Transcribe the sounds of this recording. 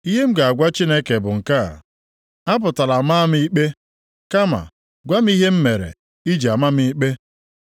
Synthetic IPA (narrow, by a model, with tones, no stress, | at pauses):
i˦ɦe˦m̩˦ɡa˨a˨ɡʷa˦t͡ʃi˦ne˦ke˨bʊ˨ŋ̩˨ka̰˦˨ | a˦p̬ʊ˨ta˨la˨ma˦m̩˦i˦k͡pe˦ | ka˦ma̰˨ | ɡʷa˦m̩˦i˦ɦe˦m̩˦me˨ɾḛ˨ | i˦d͡ʒi˨a˨ma˦m˦i˦k͡pe˦